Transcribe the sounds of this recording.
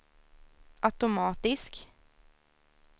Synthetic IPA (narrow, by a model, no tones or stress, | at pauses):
ʔat̪ʊmɑːt̪ɪsk